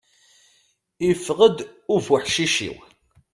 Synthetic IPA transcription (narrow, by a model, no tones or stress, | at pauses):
ifʁəd̪ʊɾfəħʃiʃḭw